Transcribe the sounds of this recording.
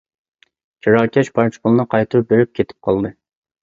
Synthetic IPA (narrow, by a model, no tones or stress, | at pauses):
t͡ʃʰiɾɑːkʲʰɛʃpʰɑɾt͡ʃʰi̥pʊlˠɨnɨqʰɑjt̪ʰɨɾp̚beɾɪp̚kʲʰet̪ʰɪ̥p̚qʰɑlˠd̪ɨ